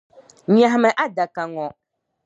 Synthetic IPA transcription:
ɲã˨mɛ̃˨ʔa˦da˨ka˨ŋɔ̃˨

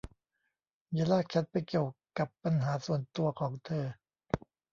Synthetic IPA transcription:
jaː˧˩laː˥˩k̚t͡ɕʰa˦˥t̪̚pa˧jki˨˩əwka˨˩pːa˧nɦaː˩˦su˨˩ənt̪u˧ɐkʰɔː˩˦ŋt̪ʰɤː˧

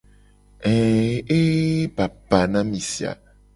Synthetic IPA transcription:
ɛ̃˨e˦ba˨ba˨nã˦mĩ˨si˨a̰˨

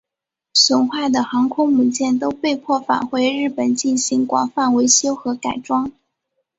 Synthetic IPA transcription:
swə˨˩nxwa˥˩d̪ə˩xɑ˧˥ŋkʰʊ˥ŋmu˨˩t͡ɕjɛ˥˩nt̪o˥ʊpe˥˧ɪpʰwɔ˥˩fa̰˨˩nxwe˧˥ɪɻɻ̩˥˩pə˨˩nt͡ɕi˥˩nɕi˧˥ŋkwɑ̰˨˩ŋfa˥˩nwe˧˥ɪɕjo˥ʊxɤ˧˥ka˨˩ɪʈ͡ʂwɑ˥ŋ

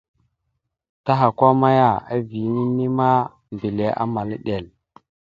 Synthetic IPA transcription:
ta˦ɦa˨kʷa˦ma˦ja˦˨a˦vi˨˦ni˦ni˦ma˦ | mbi˨le˨ʔa̰˦ma˨lɗe˨l

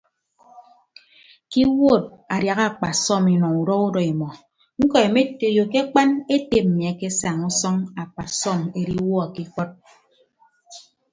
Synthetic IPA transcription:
ki˦wo˦˨t̚a˨dja˨ɣa˦˨k͡pa˨sɔ˦˨mi˨nɔ˨ŋu˨ɾɔ˦u˦dɔ˨i˨mɔ˨ | ŋ̩˦kɔ˨e˨me˦to˨jo˨ke˦k͡pa˦ne˦te˦˨p̚m̩˨mi˨a˨ke˦sa˨ŋu˦sɔ˦ŋa˨k͡pa˨sɔ˦˨me˨ɾi˦wɔ˦a˨ki˦kɔ˦t̚

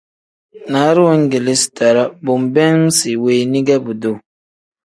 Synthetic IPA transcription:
naː˨˦ɾi˦wa˦ŋ˦ɡe˨lɪ˦si̥˨ta˨ɾa˦bʊ˨m˨bɛ˦ŋ˦si˨weː˨nĩ˦ɡɛ˦bu˨do˨

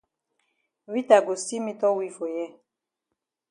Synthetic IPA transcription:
wi˦ta˨ɡo˨si˦mi˦tɔ˦wi˦fo˨jɛ˦

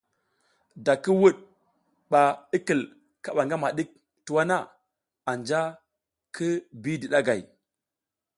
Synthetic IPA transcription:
da˨kə˦wu˦ɗ̚ | ɓa˨i˦kə˨l | ka˨ɓa˨ŋɡa˦ma˨ɗi˦k̚ | tu˨wa˦na˦ | a˨nd͡ʒa˦ | kʰə˦bi˦di˨ɗa˦ɡa˨j

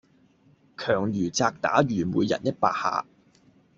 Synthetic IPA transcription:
kʰœː˨˩ŋjyː˨˩t͡saː˧k̚t̪a̰ː˨˥jyː˨˩muː˨˧jɐ̰˨˩njɐ˥t̚pa̰ː˧k̚ha̰ː˨˧

